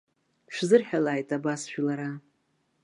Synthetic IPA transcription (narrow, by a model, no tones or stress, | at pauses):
ʃʷᶣzɨrħᶣalaːjtʼabasʃᶣilaɾa